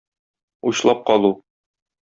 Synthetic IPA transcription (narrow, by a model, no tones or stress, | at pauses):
uɕlˠɑp̚qɒlˠu